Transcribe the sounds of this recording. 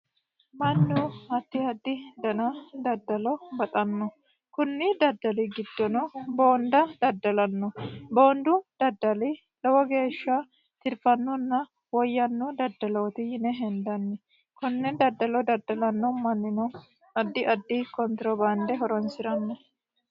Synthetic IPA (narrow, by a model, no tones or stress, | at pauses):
mɐnːʊhɐt̪ːɪhɐd̪ːɪd̪ɐnɐd̪ɐd̪ːɐlɔbɐt̪ʼɐnːɔ | kʊnːɪd̪ɐd̪ːɐlɪɡɪd̪ːɔnɔboːnd̪ɐd̪̥ɐd̪ːɐlɐnːɔbo̞ːnd̪ʊd̪̥ɐd̪ːɐlɪ | lɔwɐɡe̞ːʃːɐ | t̪ɪɾfɐnːɔnːɐ | wɔjːɐnːɔd̪ɐd̪ːɐloːt̪ɪjɪnɛɦɛnd̪ɐnːɛ | kʊnːɛd̪ɐd̪ːɐlɔd̪ɐd̪ːɐlɐnːɔmɐnːɪnɔ | ɐd̪ːɪʔɐd̪ːɪkɔnt̪ɾɔbɐnd̪ɛɦɔɾɔnsɪɾɐnːɔ